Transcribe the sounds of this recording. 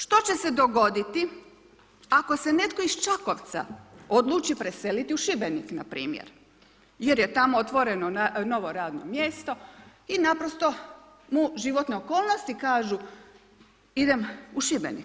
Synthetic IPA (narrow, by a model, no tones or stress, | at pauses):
ʃt̪o̞t͡ɕe̞se̞d̪o̞ɡo̞d̪it̪i | ako̞sene̞t̪ko̞ist͡ʃako̞ʋt̪sa̰o̞d̪lˠuːt͡ʃipɾese̞lit̪iuʃibeniknapɾḭːmjḛɾ | je̞ɾjet̪amoot̪ʋo̞ɾenoano̞ʋo̞ɾaːd̪no̰mje̞st̪o̞ | inapɾost̪o̞ | muʒiʋo̞t̪neokoːlˠnost̪ikaːʒu | id̪emuʃibḛnḭk